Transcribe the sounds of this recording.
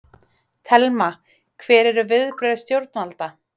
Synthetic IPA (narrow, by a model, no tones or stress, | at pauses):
t̪ʰɛlma | kʰvɛːɾɛɾʏvɪðpɾœðst̪jowɾt̪̚nalt̪a